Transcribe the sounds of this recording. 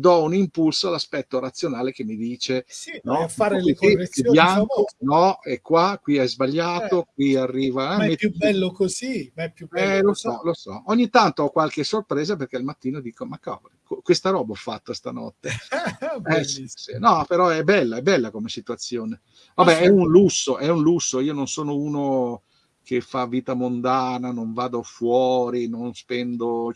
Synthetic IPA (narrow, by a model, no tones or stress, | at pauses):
d̪ɔunimpulsoalaspɛt̪ːoɾat̪sːjonaːlek̟emːid̪iːt͡ʃenɔfakiibjaŋkonɔɛkːwakwiɛzbaʎːaːt̪ok̚wiarːiːvaɛmːetːuɛlːokozimɛpjubɛlosɔlosɔoɲːit̪ant̪oɔkwalk̟esorpɾeːzaperk̟ealmat̪ːiːnod̪iːkomakːa̰vɾekokwest̪aɾɔːbaɔfːa̰t̪ːast̪a̰nɔ̰t̪ːe | ɛssinɔpeɾɔɛbɛlːaɛbɛlːakomesit̪uat̪sːjoːne | vabɛɛunlusːoʔɛunlusːoiːononsoːnouːno | k̟efːavːiːt̪amond̪aːnanoɱvaːd̪ofwɔːɾinonspɛnd̪o